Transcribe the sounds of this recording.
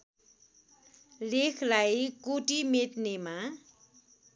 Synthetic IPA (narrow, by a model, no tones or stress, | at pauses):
lekʰlajkoʈimet̪nema